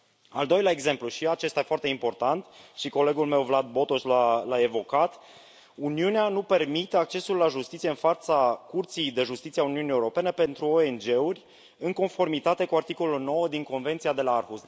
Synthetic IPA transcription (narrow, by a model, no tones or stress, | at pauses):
a̰ld̪o̞jleaeɡze̞mpluʃiat͡ʃe̞st̪aefoart̪e̞impo̞rt̪ant̪ʃiko̞le̞ɡulme̞wvlad̪̚bo̞t̪oslalae̞vo̞kat̪ | uniuneanupe̞rmit̪e̞ak̚t͡ʃe̞sulːaʒust̪it̪sijeɨnfat̪sakurt̪sijd̪e̞ʒust̪it̪sieauniunijeuɾo̞pe̞ne̞pe̞nt̪ɾuoe̞nd͡ʒe̞urʲ | ɨŋko̞nfo̞rmit̪at̪e̞kuart̪iko̞lulno̞wəd̪iŋko̞nve̞nt̪siad̪e̞laarxust̪